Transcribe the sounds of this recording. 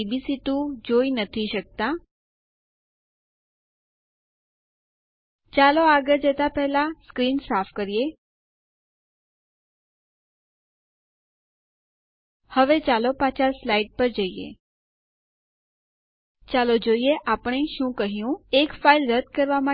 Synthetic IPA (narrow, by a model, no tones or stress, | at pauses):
bisit̪ũd͡ʒoinət̪ʰiʃək̚t̪a | t͡ʃaloaɡəɾd͡ʒɛt̪apɛɦlaskɾinsafʰkəɾije | həʋet͡ʃalopat͡ʃaslaiʈ̚pəɾd͡ʒəiḛ | t͡ʃalod͡ʒoieʔapəɳ̃eʃũkəɦjũekfailɾəd̪̚kəɾʋamã